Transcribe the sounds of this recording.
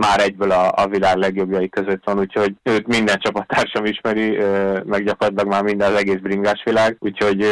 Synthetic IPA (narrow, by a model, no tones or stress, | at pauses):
maːɾɛɟbøːlɒɒ̰vilaːɡlɛɡjo̞bjɒjikø̞zøt̪ʋɒnuːcho̞ɟøːt̪mind̪ɛnt͡ʃɒpɒt̪ːaːrʃɒmiʃmɛɾiømɛɡɟɒkorɒt̪ilɒɡmaːrmind̪ɛnɒzɛɡeːzbriŋɡaːʃʋilaːɡuːcho̞ɟ